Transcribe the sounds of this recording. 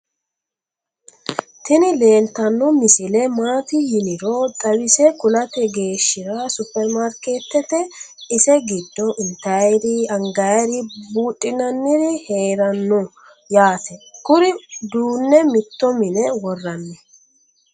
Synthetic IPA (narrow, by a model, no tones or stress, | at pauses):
t̪ɪnɪle̞ːnt̪ːɐnːɔmɪsɪlɛmaːt̪ɪjɪnɪɾɔd̪ɐwɪsɛkʊlɐt̪ɛɡe̞ːʃːɪɾɐsʊpːɛɾmaɾkeːt̪ːɛt̪ɛ | ɪsɛɡɪd̪ːɔʔɪnt̪ːɐjɾɪɐŋɡɐɾɪbuːtʼːɪnɐnːɪɾɪhe̞ːɾɐnːɔ | jaːt̪ʰɛkʊɾɪd̪uːnːɛmɪt̪ːɔmɪnɛwɔrːɐnːɛ